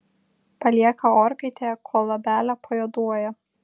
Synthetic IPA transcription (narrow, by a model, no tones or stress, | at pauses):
pɐlʲiɛkɐoːɾkɐɪt̪ʲekʰoːlˠɐbʲæːlʲɛpʰɐjod̪uɔjɛ